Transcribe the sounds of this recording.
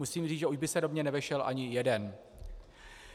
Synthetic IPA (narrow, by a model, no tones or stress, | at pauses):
usiːmriːt͡sʒɛuʒbɪsɛdomɲɛnɛvɛʃɛlʔa̰ɲɪjɛdɛn